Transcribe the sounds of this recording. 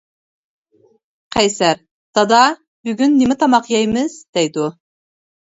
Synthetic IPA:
qʰæjsæɾ | d̪̥ɑd̪ɑ | byɡʲynːimɪt̪ʰɑmɑqjɑjmɪz̥d̪̥ɛjd̪u

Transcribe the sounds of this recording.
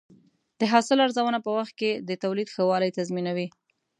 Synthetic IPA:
d̪̥əɦɑsɪlaɾzawənapəwaxt̪̚ked̪ət̪awlid̪xəwɑləjt̪azminawi

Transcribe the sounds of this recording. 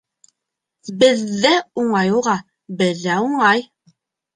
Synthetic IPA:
bɘ̆ðːæuɴɑjuʁɑ | bɘ̆ðːæuɴɑj

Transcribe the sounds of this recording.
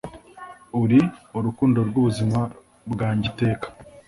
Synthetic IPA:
uɾiuɾukuːndo̞ɾɡuβuzima | bɡaːɲɟite̞ːkḁ

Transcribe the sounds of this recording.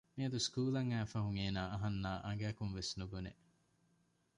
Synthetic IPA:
miɐd̪uskuːlɐŋæːfɐɦuŋeːnaːɐɦɐnːaːʔɐŋ̆ɡæːkunʋesnubunḛ

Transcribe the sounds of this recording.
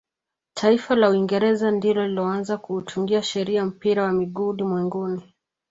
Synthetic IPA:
tʰaifalauiŋɡɛɾɛzandilɔlilɔanzakuːt͡ʃuŋɡiaʃɛɾiam̩piɾawamiɠuɗimwɛŋɡuni

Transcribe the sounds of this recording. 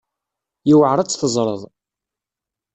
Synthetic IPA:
jiwəʕɾˤət͡sːθəzˤɾˤəðˤ

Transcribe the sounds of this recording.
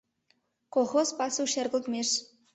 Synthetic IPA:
koxozpɑsuʃerɣə̆lt̪meʃ

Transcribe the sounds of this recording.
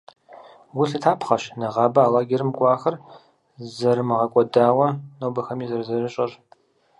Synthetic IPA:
wʊɬɨtʰaːpʰχɐʃnɐʁɑːbɐaːlaːɡʲerɨmɡʷʼɑːxɐr | zɐrmɨʁɐkʷʼɔdaːwɐnowbɐxɐmiːzɐrzɐrɨɕʼɐr

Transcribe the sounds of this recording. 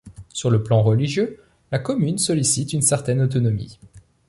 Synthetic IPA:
syʁləplɑ̃ʁəliʒjø | lakɔmynsɔlisit̪ynsɛʁt̪ɛnot̪ɔnɔmḭ

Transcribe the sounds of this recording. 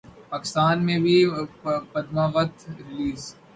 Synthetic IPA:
paːkɪ̥st̪aːnmẽbʱi | pɐd̪maʋɐt̪ɾɪliːz

